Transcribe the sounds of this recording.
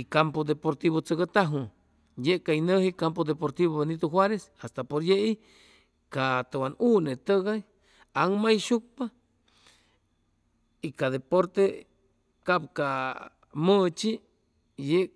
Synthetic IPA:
ikampod̪epoɾt̪iβot͡səɣat̪aɦu | jeʔkainəhikampod̪epoɾt̪iβoβenit̪uxwaɾesast̪apoɾjeʔi | kat̪awanunet̪əɣaj | aŋmajʃuk̚pa | ikaðepoɾt̪e | kapka | mət͡ʃi | jeʔ

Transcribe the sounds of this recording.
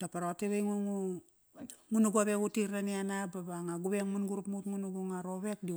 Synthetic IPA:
tapaɾoteβejŋuŋu | ŋunuɡuaβekutiɾnanianababaŋaɡubeŋmunɡuɾupmutŋunuɡuŋaɾoβek̚di

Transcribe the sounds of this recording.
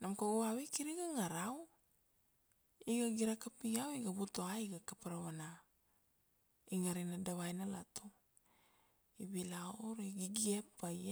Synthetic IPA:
namkaɡuawikiɾiɡaŋaɾaw | iɡaɡiɾakapiɡawiɡabutoaiɡakapaɾawana | iŋaɾinadaβajnalato | iβilaoɾiɡiɡiepːaj

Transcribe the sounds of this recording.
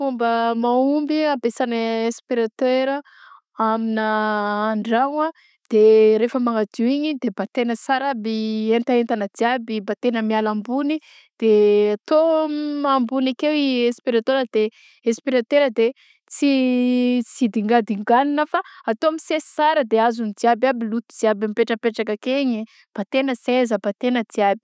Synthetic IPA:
fumbəmaumbiabesanəespiɾat̪eɾə | aminəːɳɖ͡ʐaŋa | d̪̥eɾefəmaŋad̪iwiɲid̪ebat̪enəsaɾabient̪aent̪anad̪iabibat̪enəmialambuni | d̪̥eat̪omambunakewiespiɾat̪eɾəd̪̥e | espiɾat̪eɾəd̪e | t͡si | sid̪iŋɡad̪iŋɡaninəfaat̪oamisesi̥saɾəd̪eazunid͡z̪iababilut̪ud͡z̪iabampeʈ͡ʂəpeʈ͡ʂakakeɲi | b̥at̪enəsezəbat̪enəd͡z̪iabi̥

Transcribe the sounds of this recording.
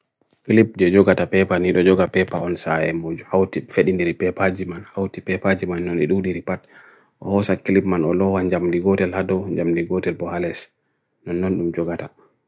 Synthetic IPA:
kilip̚d͡ʒɛd͡ʒɔɡatapɛpaniɗɔd͡ʒɔɡapɛpaɔnsajɛ̰mod͡ʒuhawtifeɗindiɾipɛpad͡ʒimanhawtipɛpad͡ʒimanːɔnɛɗuɗiɾipat̚ | ʔɔhɔsakilipmanɔlɔwaɲd͡ʒamdiɡɔtɛlhadɔɲd͡ʒamdiɡɔtɛlbɔhalɛs | nɔnːɔnɗumd͡ʒɔɡata

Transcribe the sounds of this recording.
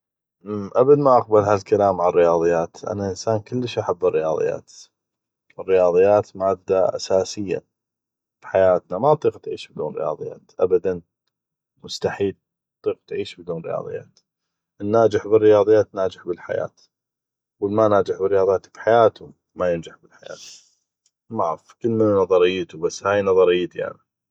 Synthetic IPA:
ʔabad̪maʔaq̚balhalkalaːmʕarːɪjɑːðˤɨjːaːt̪ʔa̰naʔɪnsaːnkɪlːəʃʔaħabːɪrːɪjɑ̰ːðˤɨ̰jːa̰ːt̪ | ərːɪjɑːðˤɨjːaːt̪maːd̪aʔa̰saːsɪjːa̰ | biħajaːt̪namaʔɑt̪ˤiːqt̪ʕiːʃbɪd̪uːnɾɪ̰jɑ̰ːðˤɨjːa̰ːt̪ʔabad̪an | mʊst̪aħiːl | t̪ˤːiːqt̪ʕiːʃbɪd̪uːnrɪ̰jɑ̰ːðˤɨ̰jːa̰ːt̪ | ʔɪnːaːd͡ʒɪħbɪrːɪjɑːðˤɨjːaːt̪naːd͡ʒɪħbɪlħa̰ja̰ːt̪ | wɪlmanaːd͡ʒɪħbɪrːjɑːðˤjaːt̪bi̥ħajaːt̪ʊ | majɪnd͡ʒɪħbɪlħaja̰ːt̪ | maʕfkɪlːmɪnanɑðˤɑɾɪjːt̪ubasːhaːjnɑðˤɑɾɪjːt̪iʔa̰ʕni

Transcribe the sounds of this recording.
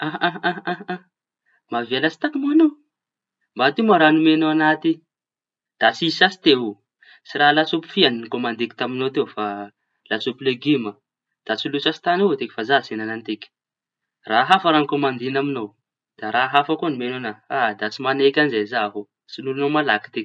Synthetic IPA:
aãããã | mavalasi̥t̪akimaano | mbat̪imaɾanumenoanat̪i | d̪̥at͡sisasi̥t̪eɦu | t͡siɾalat͡supi̥fianinikomand̪eki̥t̪aminowt̪ewfa | lat͡supileɡimə | d̪̥at͡silusasi̥t̪anot̪ekʲi̥fazasenanant̪ekʲi̥ | raɦafaɾanikomand̪inaminow | d̪̥aɾaɦafakuanumenonaad̪at͡simanekʲanzezaɦo | t͡sinulunowmalaki̥t̪ekʲ

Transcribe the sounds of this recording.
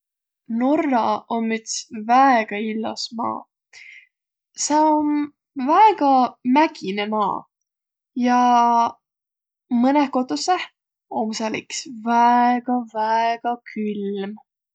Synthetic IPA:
norːɑomːyt̪svæeɡ̥ɑilːɑ̰smɑ̰ː | seon | væeɡ̥ɑmæɡ̥inemɑ̰ː | jɑ | mɤnekot̪ːuseh | omsɑliksvæeɡ̥ɑvæeɡ̥ɑkʰylm

